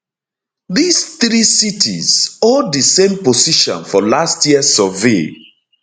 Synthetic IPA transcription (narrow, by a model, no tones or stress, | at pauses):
ðisθɾisitʰḭz̥oddəsẽmposiʃɔ̰̃nfɔlastʰjiəsɔvḛ